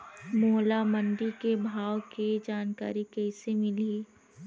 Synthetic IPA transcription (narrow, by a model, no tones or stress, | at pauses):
moːlaməɳɖikebʱaːwked͡ʒaːnka̰ːɾikɛɪsemɪliː